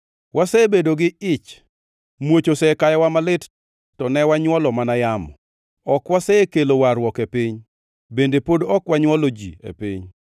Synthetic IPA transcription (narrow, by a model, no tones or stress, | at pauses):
wʔasɛbedoɡɪɪt͡ʃ | mwot͡ʃosɛkajɔwamalɪt | tɔnɛwaɲwɔlɔmanajamɔ | ɔkwasɛkelowaɾwɔkepɪɲ | bendepodɔkwaɲwɔlod͡ʒḭḛpḭɲ